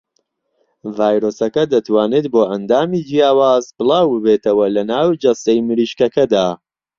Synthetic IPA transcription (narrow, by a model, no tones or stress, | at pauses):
vaːjɾoːsɐkɐd̪ɐt̪waːneːt̪̚boːʔɐnd̪aːmiːd͡ʒijaːwaːzbɨlˠɑːwbɨbeːt̪ʰɐwɐlɐnaːwd͡ʒɐsɐjmɨɾiːʃkɐkɐd̪aː